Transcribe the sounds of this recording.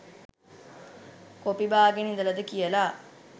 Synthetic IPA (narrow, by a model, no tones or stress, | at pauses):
kopibaːɡenid̪əɐlɐd̪əkijəlaː